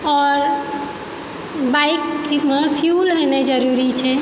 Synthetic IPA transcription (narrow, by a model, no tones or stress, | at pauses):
ɔːɾ | bajkːimepʰijulɦened͡ʒəɾuɾit͡ʃʰɛ